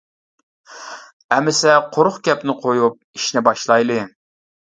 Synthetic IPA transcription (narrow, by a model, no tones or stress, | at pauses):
ɛmɪsɛqʰoɾχkʲɛpnɪqʰojup̚iʃnɪbɑʃlˠɑjlˠɨ